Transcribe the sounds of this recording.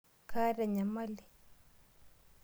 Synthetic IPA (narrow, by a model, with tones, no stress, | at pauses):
kʰa˦da˨ɲa˨ma˦li˨